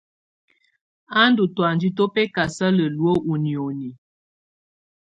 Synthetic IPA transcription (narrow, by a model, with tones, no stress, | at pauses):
a˦ndu˨twa˨nd͡ʒi˦to˦pɛ˦ka˨sa˦lə˨lu˨˦o˦ʔu˨ni˨o˨ni˨